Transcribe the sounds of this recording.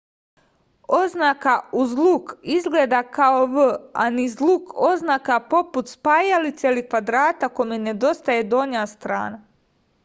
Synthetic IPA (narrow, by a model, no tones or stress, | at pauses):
o̞znakauzlˠukizɡleːd̪akaoʋəa̰nizluːkʰo̞znaːkapo̞put̪spajalit̪se̞ilikʋad̪ɾaːt̪akomene̞d̪o̞st̪ajed̪ooɲaːst̪ɾa̰ːna